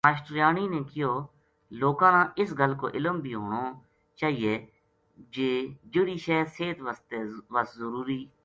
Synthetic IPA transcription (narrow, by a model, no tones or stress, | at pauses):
aːʃʈɾjaːniːnẽːkɪjoː | loːkãːnãːɪsɡəlko̰ːʔɪləmbʱiːɦoːɽoː | t͡ʃaːɦieː | d͡ʒeːd͡ʒʊɾiːʃɛːseːt̪ʋəst̪eːʋəszəɾuːɾiː